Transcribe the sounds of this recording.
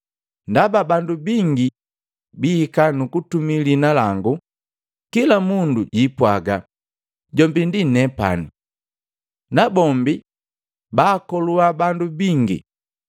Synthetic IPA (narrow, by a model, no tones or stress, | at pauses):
ndababandubiŋɡi | biːkanukutumilinalaŋɡu | kilamunduɟipwaɡa | ɟɔmbindinɛpa̰ni | nabɔmbi | baːkɔluabandubiŋɡḭ